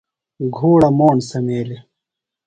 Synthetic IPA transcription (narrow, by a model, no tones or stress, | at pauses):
ɡʱoːɽɐmɔːnsɐmeːɾe